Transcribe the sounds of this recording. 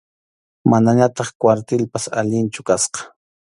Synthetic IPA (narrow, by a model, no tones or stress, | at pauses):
manaɲat̪ɑχkwaɾt̪ɪlpasa̰ʎɪnt͡ʃʊkasqɑ̥